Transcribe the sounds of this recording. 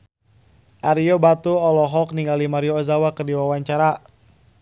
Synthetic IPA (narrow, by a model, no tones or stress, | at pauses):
ʔaɾiɔbat̪uɔlɔɦɔk̚niŋɡalimaɾiɔːzawakərdiwawaɲt͡ʃaɾa